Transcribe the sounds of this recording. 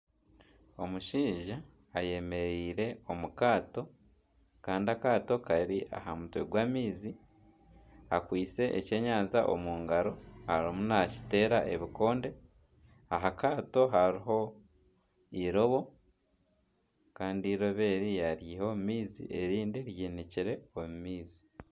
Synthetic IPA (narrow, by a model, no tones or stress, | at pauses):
o̞muʃiːʒaː | je̞me̞ɾiːɾe̞o̞mukaːto̞ | kaːndiakaːto̞kaɾiʔa̰ɦamutwḛɡwaːmiːzi | akwiːt͡se̞ʔḛce̞ɲaːnzaʔo̞̰muːŋɡaɾo̞haɾimunaci̥te̞ːɾaʔe̞βiko̞ːnde̞ | aɦakaːto̞ɦaɾiɦo̞ | iɾo̞βo̞ | kaːndiɾo̞βe̞ːɾijaɾjiho̞mumiːzḭʔe̞ɾiːndiɾjiːniciɾe̞omumiːzi̥